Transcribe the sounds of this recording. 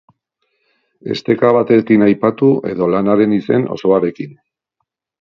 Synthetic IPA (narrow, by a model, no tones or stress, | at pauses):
e̞̰st̪e̞kaβ̞at̪e̞kinajpat̪uʔe̞̰ðo̞lanaɾe̞nise̞̰no̞̰so̞aɾe̞kin